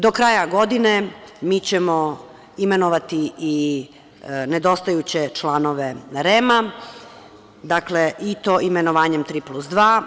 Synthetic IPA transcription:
d̪o̞kɾaːjaɡo̞d̪ine̞miːt͡ɕemo̞ | ime̞noʋat̪ii | ned̪o̞st̪ajut͡ɕe̞t͡ʃlˠaːno̞ʋeɾema | d̪akleʔit̪o̞ʔime̞noʋaːɲe̞mt̪ɾiːplˠusd̪ʋaː

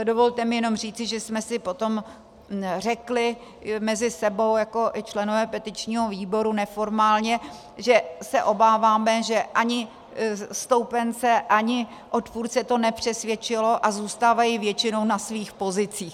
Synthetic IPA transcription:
do̞vo̞lt̪ɛmɪjɛno̞mr̝iːt͡sɪʒɛsmɛsɪpo̞t̪o̞m | r̝ɛklɪ | mɛzɪsɛbo̞wjako̞ʔɪt͡ʃlɛno̞vɛːpɛt̪ɪt͡ʃɲiːɦo̞viːbo̞ɾunɛfo̞ɾmaːlɲɛ | ʒɛsɛʔo̞baːvaːmɛʒɛʔaɲɪ | st̪o̞wpɛnt͡sɛʔaɲɪ | ʔot̪puɾt͡sɛt̪o̞nɛpr̥ɛsvjɛt͡ʃɪlo̞ʔazuːst̪aːvajɪvjɛt͡ʃɪno̞wnasviːxpo̞zɪt͡siːx

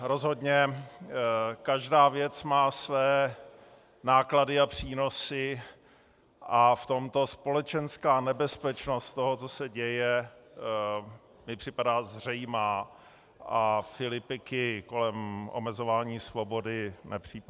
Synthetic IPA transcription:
ɾo̞zɦo̞dɲɛ | kaʒdaːvjɛt͡smaːsvɛː | naːkladɪapr̝̥iːno̞sɪ | ʔaft̪o̞mt̪o̞spo̞lɛt͡ʃɛnskaːnɛbɛspɛt͡ʃnost̪t̪oɦot͡sosɛɟɛjɛ | mɪpr̝̥ɪpadaːzr̝ɛjmaː | ʔafɪlɪpɪkɪko̞lɛmʔo̰mɛzo̞vaːɲiːsvo̞bo̞dɪnɛpr̝̥iːp

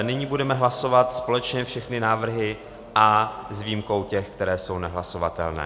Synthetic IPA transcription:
nɪɲiːbudɛmɛɦlaso̞vat̪spo̞lɛt͡ʃɲɛfʃɛxnɪnaːvr̩ɦɪ | ʔazviːmko̞wcɛxkt̪ɛɾɛːso̞wnɛɦlaso̞vat̪ɛ̰lnɛ̰ː

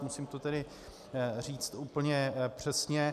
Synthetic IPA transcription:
musimt̪ot̪ɛdɪ | riːt͡st̪uːpl̩ɲɛpr̝̥ɛsɲɛ

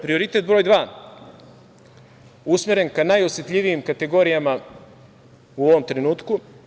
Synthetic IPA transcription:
pɾio̞ɾit̪e̞t̪̚bɾo̞ːjd̪ʋaː | usmeɾe̞nkanajo̞sjet̪ʎʲiʋijimkat̪e̞ɡo̞ːɾijama | uoʋo̞mt̪ɾenuːt̪ku

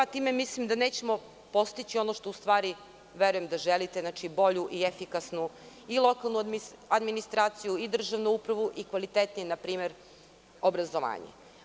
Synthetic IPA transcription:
at̪iːmemislimd̪aneːt͡ɕemo̞ | po̞st̪it͡ɕio̞noʃt̪oust̪ʋaːɾi | ʋeɾuje̞md̪aʒelit̪eznat͡ʃibo̞ʎuʔiefikasnu | ilˠo̞kalˠnuad̪minist̪ɾaːt̪sijuid̪r̩ʒaʋnuupɾaʋuʔikʋalit̪et̪nijenapɾiːme̞ɾ | o̞bɾazoʋa̰ːɲḛ

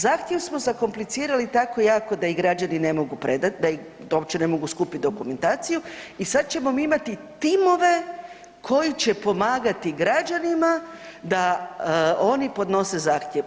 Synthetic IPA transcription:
zaːxt̪jeʋsmo̞zako̞mplit̪siːɾalit̪ako̞jaːko̞d̪aiɡɾad͡ʒanine̞mo̞ɡupɾe̞d̪at̪d̪ai | o̞bt͡ɕe̞ne̞mo̞ɡuskuːpit̪̚d̪o̞kume̞nt̪aːt̪sijuisad̪̚t͡ɕe̞mo̞miimat̪it̪imo̞ʋe̞ | kʰo̞jit͡ɕe̞po̞maːɡat̪iɡɾad͡ʒanima | d̪a | o̞nipo̞d̪no̞se̞zaːxt̪ʲjeʋ

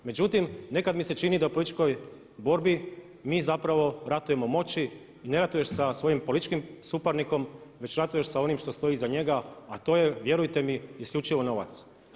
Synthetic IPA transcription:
me̞d͡ʑut̪imne̞kad̪mise̞t͡ʃinid̪aupo̞lit̪it͡ʃko̞j | bo̞ɾbi | miːzapɾaʋo̞ɾat̪uje̞mo̞mo̞t͡ɕi | ine̞ɾat̪uje̞ʃsasʋo̞jimpolit̪it͡ʃkimsupaɾniko̞mʋe̞t͡ɕɾat̪uje̞ʃsao̞nimʃt̪o̞st̪o̞jizaɲe̞ɡaat̪o̞ːje̞ʋje̞ɾujt̪e̞miiskʎʲut͡ʃiʋo̞no̞ʋa̰t̪s

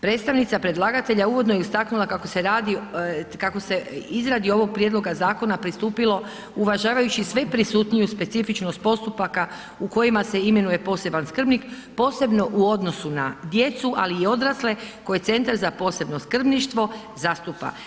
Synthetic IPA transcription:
pɾe̞t̪st̪aʋnit̪sapɾe̞d̪lˠaːɡat̪e̞ʎauʋo̞d̪nojeust̪aknulˠakakose̞ɾaːd̪ikako̞se̞izɾad̪io̞ʋo̞ɡ̚pɾjed̪lˠo̞ɡazaːko̞napɾist̪uːpilˠo̞ | uʋaʒaːʋajut͡ʃisʋe̞pɾisuːt̪nijuspe̞t̪sifit͡ʃno̞st̪̚po̞st̪upaka | uko̞jimaseime̞nuje̞po̞ːse̞banskr̩bnik | po̞ːse̞bno̞ʔuo̞d̪no̞sunad̪je̞t̪suʔa̰liːo̞d̪ɾasle̞ko̞jet̪se̞nt̪aɾzapo̞ːse̞bno̞skr̩bniʃt̪ʋo̞ | zast̪upa̰

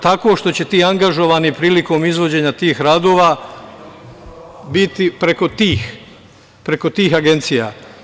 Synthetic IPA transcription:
t̪ako̞ʃt̪o̞t͡ɕe̞t̪iːaŋɡaʒo̞ʋaːnipɾiːliko̞ːmizʋo̞d͡ʑe̞ɲat̪iːxɾaːd̪o̞ːʋaː | bit̪ipɾe̞ko̞t̪iːx | pɾeko̞t̪iːxaɡent̪sija̰

